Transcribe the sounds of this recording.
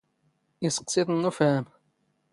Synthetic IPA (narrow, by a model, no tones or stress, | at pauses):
isə̥qːsiðnːufæm